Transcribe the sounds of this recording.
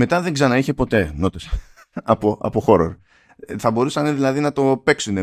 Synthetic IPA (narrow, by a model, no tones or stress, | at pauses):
me̞t̪ɐðeŋɡzɐnɐiçe̞po̞t̪e̞no̞t̪es | ɐpoɐ̰poxo̞ɾo̰ɾ | θɐbo̞ɾusɐneðilɐðinɐt̪o̞pe̞ksune